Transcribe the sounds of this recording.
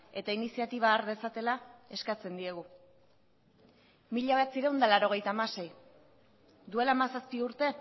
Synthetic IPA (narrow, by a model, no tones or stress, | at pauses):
e̞t̪ainisiat̪iβ̞aːɾðe̞sat̪e̞lae̞skat͡se̞nd̪ie̞ɣ̞u | miʎaβat͡siɾewnd̪alaɾo̞ɣ̞e̞jt̪amase̞j | d̪ue̞lamasaspiuɾt̪e̞